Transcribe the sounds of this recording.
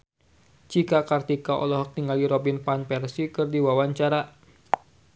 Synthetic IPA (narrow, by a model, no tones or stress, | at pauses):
t͡ʃikakart̪ikaʔɔ̰lɔɦɔk̚t̪iŋɡaliɾɔbinpanpɛrsikɨrdiwawaɲt͡ʃaɾa